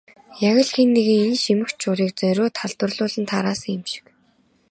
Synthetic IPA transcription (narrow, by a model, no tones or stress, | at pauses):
jaɣʲə̆ɮxinːeɣɘ̆ŋinʃimɘ̆kt͡ɕt͡ɕʊɾiːk̚t͡sœɾʲoːt̪ʰaɮt̪wə̆rɮʊːɮə̆nt̪ʰaɾaːsə̆ŋɪmʃɪ̥̆k